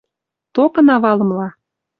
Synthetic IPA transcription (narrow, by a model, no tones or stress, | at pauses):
t̪okɤ̆nɑβɑlɤ̆mlɑ